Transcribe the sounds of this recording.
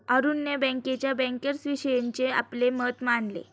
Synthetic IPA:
əɾunːjəbɛ̃ŋket͡ɕjabɛ̃ŋkəɾsʋiɕəjeɲt͡sea̰plemət̪maɳlḛ

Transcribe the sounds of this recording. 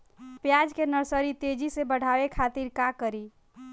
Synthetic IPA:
pjad͡ʒkenəɾsəɾit̪ed͡ʒisebəɽ̤aʋekʰat̪iɾkakəɾi

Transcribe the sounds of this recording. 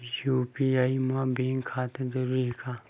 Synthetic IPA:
jupiaimãbeːŋkʰːat̪ɐd̪əɾekʰa

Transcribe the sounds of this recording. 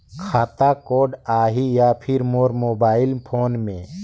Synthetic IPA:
kʰaːt̪akoːɖaːɦijaːpʰɪɾmoːɾmoːbaːɪilpʰoːnmẽ

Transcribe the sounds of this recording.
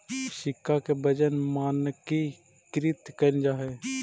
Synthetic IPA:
ʃɪkːakebəd͡ʒənmaːnki | kɾɪt̪kənd͡ʒaːɦeː

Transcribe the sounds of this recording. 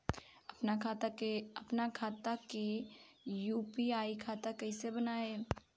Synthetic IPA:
ɐpnakʰat̪aeɐpnakʰaːt̪ake | juːpiaːikʰaːt̪akɐisebənaːe

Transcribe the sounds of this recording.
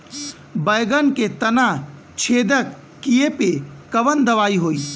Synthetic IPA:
bəjɡənket̪əna | t͡ʃʰed̪əkː | ijepekəʋənd̪əʋaiɦoi

